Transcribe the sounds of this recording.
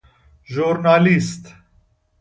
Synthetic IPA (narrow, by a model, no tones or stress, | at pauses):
ʒuːɾnaːlist̪